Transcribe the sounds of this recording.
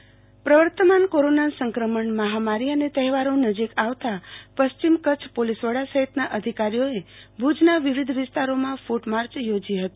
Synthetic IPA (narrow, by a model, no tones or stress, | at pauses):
pɾəʋəɾt̪əmankoɾonasəŋkɾəməɳməɦamaɾiənet̪əɦɛʋaɾõnəd͡ʒikaʋt̪apəst͡ʃimkət͡ʃʰpolisʋəɽasəɦit̪naʔəd̪ʱikaɾijoebʱud͡ʒnaʋiʋid̪ʱʋɪst̪aɾomãfuʈmaɾt͡ʃjod͡ʒiɦət̪i̥